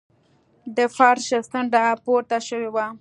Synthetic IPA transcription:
d̪əfɑɾʃɪst̪əɳɖapoɾt̪aʃəwewa

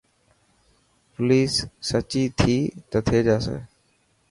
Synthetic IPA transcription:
pʊliːsːət͡ʃiːt̪ʰiːt̪ət̪ʰeːd͡ʒaːsḛː

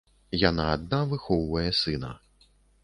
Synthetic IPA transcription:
janaːd̪̚navɨxɔwvɐjɛsɨnɐ̰

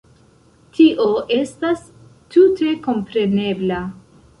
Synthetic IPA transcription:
tʰiʔo̞ʔe̞stastutʰe̞ko̞mpɾe̞ne̞bla

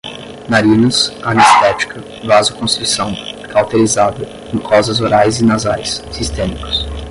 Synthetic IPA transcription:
naɾĩnɐsanist̪ɛt͡ʃi̥kɐ | vazʊkõst̪ɾusɐ̃w̃kawt̪eɾizad̪ɐ | ẽŋkʰɔzɐzoɾajzɪnazajsːist̪ẽmikʊ̥s

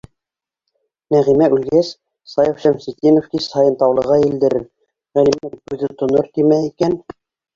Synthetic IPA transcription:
næʁimæʔʉlɡæs | sɑjɤfʃæmsit̪inŏfkishɑjɤ̆nt̪ɑwlˠɤ̆ʁɑild̪ɘ̆ɾɘɾ | ʁælimlæɾkʉðɘt̪ŏnoɾt̪imæikæn

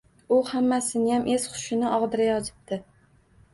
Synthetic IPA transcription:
ʊhamːasɪnɪjamʔez̥χʰʊ̥ʃɪnɪʔɒʁd̪ɪɾajɒd͡ʒ̪ɪp̚t̪ʰɪ

